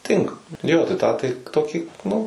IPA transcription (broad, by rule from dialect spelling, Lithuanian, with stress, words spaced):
ˈtʲɪŋkɐ ˈjoː tɐɪ ˈtɑː tɐɪ ˈtoːkʲiː nʊ